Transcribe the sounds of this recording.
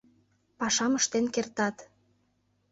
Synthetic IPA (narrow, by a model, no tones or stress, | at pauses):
pɑʃɑməʃt̪enkert̪ɑt̪